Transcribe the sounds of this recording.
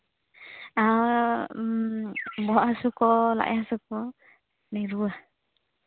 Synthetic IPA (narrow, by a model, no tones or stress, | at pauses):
a | bɔaʔɦasukɔla̰ʔjɦasukɔ | nɛɾuah